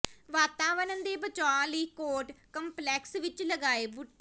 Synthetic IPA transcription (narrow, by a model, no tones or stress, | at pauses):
ʋaːt̪aːʋənənd̪eːbət͡ʃaãləiːkoːʈkəmplɛːksʋɪt͡ʃləɡaːeːbʊʈ